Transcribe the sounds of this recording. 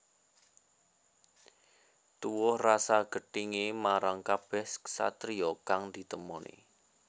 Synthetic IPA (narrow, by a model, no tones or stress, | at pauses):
t̪uwʊhrasaɡ̥ə̤ɖiŋemaɾaŋkab̥ɛhsa̰t̪ɾiɔkaŋd̪̥i̤t̪əmɔnʔḛ